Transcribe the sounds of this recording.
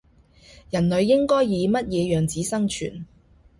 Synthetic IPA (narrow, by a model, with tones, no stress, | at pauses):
jɐ˨˩nlɵ˨˧ɥːɪ˥ŋkɔː˥jːiː˨˧mɐ˥t̚jɛː˨˧jœː˨˩ŋt͡siː˨˥sɐ˥ŋt͡ʃʰy̰ː˨˩n